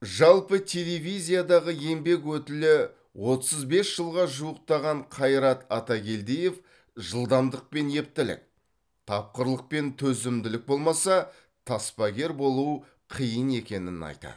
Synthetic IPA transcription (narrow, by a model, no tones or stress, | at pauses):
ʒɑlˠpət̪ʲʰe̞le̞vʲizʲijad̪ɑʁəje̞mbe̞k̬wɵt̪ɪlɪ | wo̞t̪əzbe̞sʒ̥əlˠʁɑʒuwəq̚t̪ɑʁɑɴqʰɑjɾɑt̪ɑt̪ɑɡʲe̞ld̪eje̞f | ʒəlˠd̪ɑmd̪əq̚pe̞nje̞p̚t̪ɪlɪ̰k̚ | t̪ʰɑp̚qəɾlˠəq̚pe̞nt̪ʰɵzɪmd̪ɪlɪk̚bo̞lˠmɑsɑ | t̪ʰɑspɑɡʲe̞ɾbo̞lˠuw | qʰijəne̞kʲe̞nɪnɑ̰jt̪ɑ̰d̪